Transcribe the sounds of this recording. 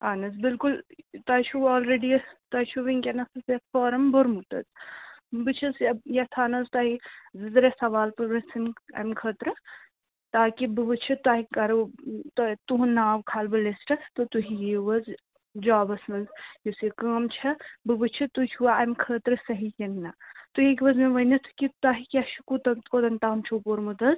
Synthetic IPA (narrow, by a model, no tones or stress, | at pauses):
aːnɐzbɪlkult̪aːt͡ʃʰuɔːlɾeːɖit̪ɐt͡ʃʰuʋiŋkʲɐnɐsɐsɐfoːɾɐmbuɾmut̪ɐ̰t̪bɨt͡ʃʰɐsɐjɐt̪ʰaːnɐzt̪aːɦizɨzɾɐsɐʋaːlpɐɾɾɐsinɐ̰jmkʰəːt̪ɾɨ | t̪aːkibɨbɨt͡ʃʰɨt̪aːɦikɐɾt̪t̪uɦnːaːʋkʰaːlbɨlesʈɐt̪ot̪uɦijiʋɐz | d͡ʒaːbɐsmɐnzjisikaːmt͡ʃʰɐbɨbɨt͡ʃʰit̪ut͡ʃʰuaɐmkʰəːt̪ɾɨsɐɦikʲɐnnat̪uɦikʋɐzmeʋɐnɐt̪ʰɨ̥kʲit̪aːɦikʲaʃukut̪ɐod̪ɐnt̪aːmt͡ʃʰuːpoɾmut̪ɐz